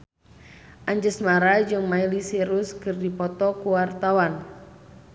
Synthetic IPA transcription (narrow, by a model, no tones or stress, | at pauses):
ʔaɲd͡ʒəsmaɾad͡ʒɨŋmailisiɾuskɨrdipɔt̪ɔkuwart̪awan